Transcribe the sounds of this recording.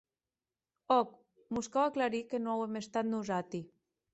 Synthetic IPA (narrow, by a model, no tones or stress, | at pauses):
ɔk | muskawaklaɾikenoawemest̪at̪nuzat̪i